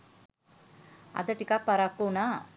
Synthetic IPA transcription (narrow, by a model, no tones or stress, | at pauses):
ɐ̰d̪ɐʈikapɐɾakːona